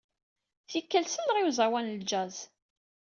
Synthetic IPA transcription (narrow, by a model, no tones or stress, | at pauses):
θikːəlsənlʁiwzˤawænld͡ʒæz